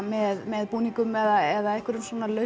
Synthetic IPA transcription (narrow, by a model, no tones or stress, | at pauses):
mɛðmɛðpuːniŋkʏmɛðaɛðaɛhkvɪɾʏmsvɔːnalœ